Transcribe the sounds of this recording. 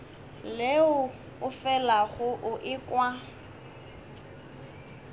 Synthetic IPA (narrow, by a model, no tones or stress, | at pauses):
leʊ | ʊfɛlaɣʊʔʊʔɪkʼwa